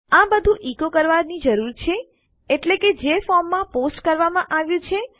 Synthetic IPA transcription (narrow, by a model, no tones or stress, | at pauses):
ãbəd̪ʱũʔikokəɾʋaɾnid͡ʒəɾuɾt͡ʃʰe | eʈleked͡ʒefɔɾmːãposʈkəɾʋamãʔaʋjũt͡ʃʰe